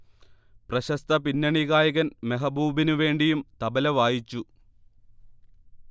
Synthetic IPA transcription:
prɐɕɐst̪ʰɐpinːɐɳiɣaːjɐɣɐnmeɦɐbʱuːbinuʋe̞ːɳɖijumt̪ɐbɐlɐʋaːjit͡ɕːu

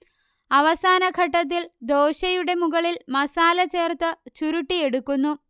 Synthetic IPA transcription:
ɐʋɐsaːnɐɡʱɐʈːɐt̪̬ːild̪o̞ːɕɐjuɽe̞muɣɐɭilmɐsaːlɐt͡ɕe̞ːrt̪ɨt͡ɕuɾuʈːije̞ɽukːunːu

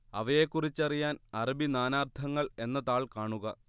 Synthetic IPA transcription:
ɐ̰ʋɐje̞kːurit͡ɕːɐrijaːnɐrɐbinaːnaːrt̪ʰɐŋːɐɭe̞nːɐt̪aːɭkaːɳuɣɐ

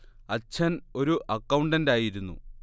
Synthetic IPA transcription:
ɐt͡ɕʰɐno̞ɾuʔɐkːɐwɳɖɐndaːjiɾunːṵ

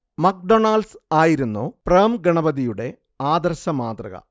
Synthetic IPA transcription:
mɐk̚ɖonaːlsaːjiɾunːopreːmɡɐɳɐbɐðijuɽe̞ | aːd̪ɐrɕɐmaːt̪rɐ̰ɣɐ̰

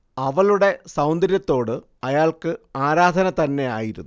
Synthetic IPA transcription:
ɐʋɐluɽe̞sɐwnd̪ɐɾjɐt̪ːo̞ːɽɨ | ɐjaːlkɨaːɾaːd̪ʱɐnɐt̪ɐnːe̞a̰ːjiɾunː

